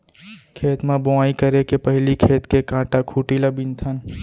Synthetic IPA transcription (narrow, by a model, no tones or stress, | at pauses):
kʰeːt̪mãboaːikɐɾekepɐɦlikʰeːt̪kekãːʈakʰuːʈilabĩnt̪ʰən